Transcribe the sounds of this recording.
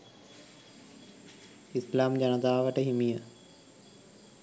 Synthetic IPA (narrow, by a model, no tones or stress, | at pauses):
islaːmd͡ʒanət̪aːʋəʈəɦimijə